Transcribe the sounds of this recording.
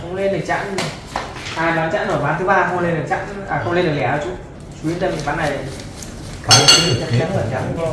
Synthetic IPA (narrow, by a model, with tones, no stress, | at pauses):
xə˧ŋ͡mle˧nɗɨ˨˩t͡ɕa̰ː˧˥n˨ | haː˧˩nɔ˨˦nt͡ɕa̰ː˧˥nːo˧˩jmaː˨˦nt̪ɨ˨˦ɓaː˧xə˧wŋ͡mle˧nɗɨ˨˩k̚t͡ɕa̰ː˧˥naː˨˩xə˧wŋ͡mle˧nɗɨ˨˩˨lɛ˧˩˨a˧˩t͡ɕu˧˦ | t͡ɕu˨˧˦i˧˦t̪ə˧mi˨˩ɓaː˨˦nːa˨˩j | ka˨˩e˧t̪ʰi˧˦˨t͡ɕa˧ɛ˦˥əː˧˩t͡ɕa̰˧˥˧